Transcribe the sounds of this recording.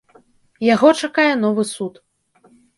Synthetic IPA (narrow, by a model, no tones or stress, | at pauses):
jaɣɔt͡ʂakajɛnɔvɨsut̪